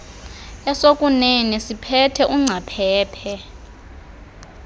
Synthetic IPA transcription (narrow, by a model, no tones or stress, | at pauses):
ɛsokʼunenisipʰɛtʰɛʔuŋ͡ǀʱapʰɛːpʰɛ